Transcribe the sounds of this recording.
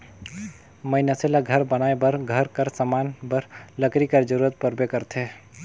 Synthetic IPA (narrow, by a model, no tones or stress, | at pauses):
məɪnaselaɡʱəɾbənaebəɾɡʱəɾkəɾsəmanbəɾləkɾikəɾd͡ʒəɾuɾət̪̚pəɾbekəɾt̪ʰe